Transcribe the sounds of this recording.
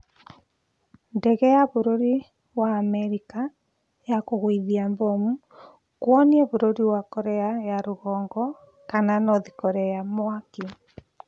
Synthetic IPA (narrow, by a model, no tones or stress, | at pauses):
ndɛɣɛjaβoɾoɾi | waːmɛɾika | jakoɣwiðiambɔmu | kwɔniɛβoɾoɾiwakɔɾɛajaɾoɣɔːŋɡɔ | kananɔðikɔɾɛjamwaki